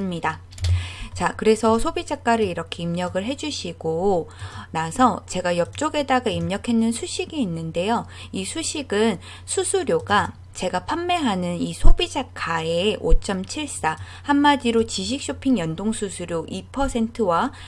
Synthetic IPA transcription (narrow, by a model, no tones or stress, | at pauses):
ɯmɲida | t͡ɕakɯɾe̞sʰʌsʰobid͡ʑak͈aɾɯɾiɾʌkʰe̞imɲʌɡɯɭɦe̞d͡ʑuɕʰiɡ̥o | nasʰʌt͡ɕe̞ɡajʌp̚t͡ɕ͈oɡe̞daɡaimɲʌkʰe̞nːɯnsʰuɕʰiɡiːnːɯnde̞jo | isʰuɕʰiɡɯn | sʰusʰuɾjoɡa | t͡ɕe̞ɡapʰamːe̞ɦanɯnisʰobid͡ʑakʰaeot͡ɕ͈ʌmt͡ɕʰiɭs͈a | hamːad͡ʑiɾot͡ɕiɕ̬ʰik̚ɕ͈opʰiŋjʌndoŋsʰusʰuɾjoʔipʰʌsʰe̞ntʰɯwa